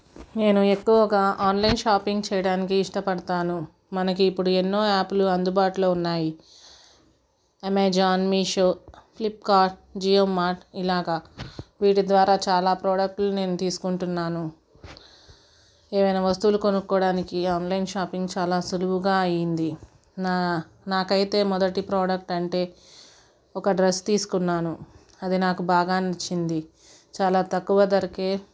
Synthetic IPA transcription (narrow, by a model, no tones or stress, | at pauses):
ne̞ːnuekːuʋɐɡaːʔaːnlɐjnʃaːpiŋɡt͡ʃɛːjɐɽaːnikiːʂʈɐpɐɽɐt̪aːnu | mɐnɐkiːpːuɽuenːo̞ːaːpluɐnd̪ubaːʈulo̞ːunːaːji | ɐmeːd͡ʒaːnmiːʃoplip̚kaːɾʈd͡ʒiːemːaːɾʈilaːɡaːʋiːʈid̪ʋaːɾaːt͡ʃaːlaːpɾoːɽɐk̚ʈlune̞ːnut̪iːsu̥kuɳʈunːaːnu | eːʋɐjnaːʋɐst̪ulukonukːɔːɽaːnikiaːnlɐjnʃaːpiŋɡt͡ʃaːlaːsuluʋuɡaːɐjind̪i | n | naːkɐjit̪e̞ːmɔd̪ɐʈipɾoːɽɐk̚ʈɐɳʈe̞ː | ɔkɐɖɾɐst̪iːsu̥kunːaːnu | ɐd̪inaːkubʱaːɡaːnit͡ʃːind̪i | t͡ʃaːlaːt̪ɐkːuʋɐd̪ɐɾɐke̞ː